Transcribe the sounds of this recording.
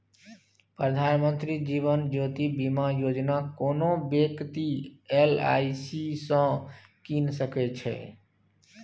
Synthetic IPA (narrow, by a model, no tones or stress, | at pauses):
pɾəd̪ʱanmə̃nt̪ɾid͡ʒiʋənd͡ʒot̪ibimajod͡ʒnakoːnobjəkt̪iela̰isisə̃ | kinsəkɛt͡ʃʰɛ̰